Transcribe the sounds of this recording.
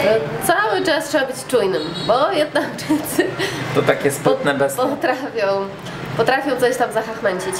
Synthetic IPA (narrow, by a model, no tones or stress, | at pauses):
t̪sawɘt͡ʂastʂɛbabɘt͡ɕt͡ʂujnɘmbɔjɛd̪̚nakʐɛnt̪sɘt̪ɔt̪akʲɛspɔt̪nɛbɛspɔt̪ɾafʲjɔ̃w̃ | pɔt̪ɾafʲjɔ̃w̪̃sɔɕt̪amzaxaxmɛɲt͡ɕit͡ɕ